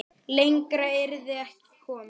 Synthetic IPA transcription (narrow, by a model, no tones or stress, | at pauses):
lejŋkɾaɪɾðɪɛhcɪ̥kʰɔːn